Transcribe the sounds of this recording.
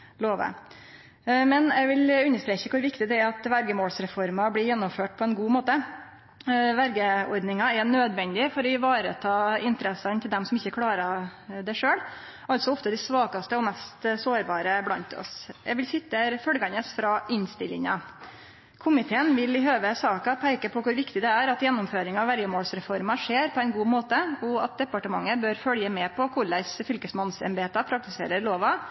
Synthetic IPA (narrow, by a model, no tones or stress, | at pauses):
loːʋə̰ | mɛnɛɪʋɪlʉnːəʂt̪ɾeːçəkʰʊɾʋɪkt̪ɪd̪ɛæɾɑt̪ʋæɾɡəmoːlsɾɛfɔɾmɑbɽɪɾjɛnːɔmføːʈ̚pʰɔɛnɡuːmoːt̪ə | ʋæɾɡəɔɾd̪nɪŋɑɛnøːd̪ʋɛnd̪ɪfɔɾɔɪʋɑːɾət̪ʰɑːɪnt̪əɾɛsɑnt̪ʰɪld̪ɛmsɔmɪçːəkʰɽɑːɾɑd̪ɛʂøːɽ | ʔɑlt̪sɔɔft̪əd̪ɪsʋɑːkɑst̪əɔmɛst̪soːɾbɑːɾəblɑnt̪ɔ̰sjæ̰ʋɪlsɪt̪ːəfœlɡɑnəsfɾɑʔɪnst̪ɪlːɪ̰ŋɑ̰ | kʰʊmɪt̪ʰeːənʋɪlɪɦøːʋəsɑːkɑpʰæɪkəpʰɔkʊɾʋɪkt̪ɪd̪ɛæɾɑt̪jɛnːɔmføːɾɪŋɑɑʋæɾjəmoːlsɾɛfɔɾmɑʂeːɾpʰɔæɪnɡuːmoːt̪əɔɑt̪̚d̪ɛpɑʈəmɑŋːəbøɾfœljəmɛpʰɔkʰʊɭæɪsfʏlkəsmɑnsɛ̰mbeːt̪ɑpʰɾɑk̚t̪ɪsḛːɾəɾloːʋɑ